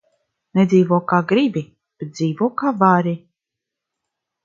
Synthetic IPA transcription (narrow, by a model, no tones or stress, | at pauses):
ned̪ziːvuɔkaːɡɾibi | b̥et̪̚d̪ziːvuɔkaːvaɾi